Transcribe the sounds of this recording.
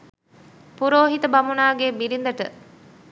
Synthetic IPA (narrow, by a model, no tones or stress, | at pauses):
puɾoːɦit̪əbɐmunaːɡeːbiɾind̪əʈə